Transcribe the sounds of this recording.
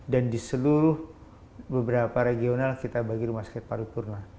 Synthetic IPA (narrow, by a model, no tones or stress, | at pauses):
dandisəluɾʊh | bəbəɾapaɾeɡionalkit̪abaɡiɾumaskɛt̪̚paɾupurna